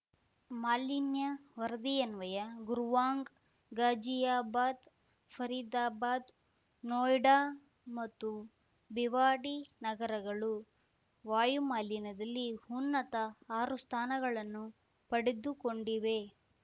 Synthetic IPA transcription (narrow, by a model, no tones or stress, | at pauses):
maːlinjɐʋɐɾɐd̪ijɐnʋɐjɐɡuɾʋaːŋɡ | ɡaːd͡ʒijaːbaːd̪ | pʰɐɾid̪aːbaːd̪ | noːjɖaː | mɐt̪ːu | biʋaːɽinɐɡɐɾɐɡɐɭu | ʋaːjumaːlinɐd̪ɐlːihunːɐt̪ɐaːɾust̪ʰaːnɐɡɐɭɐnːu | pɐɽed̪ukoɳɖiʋe̞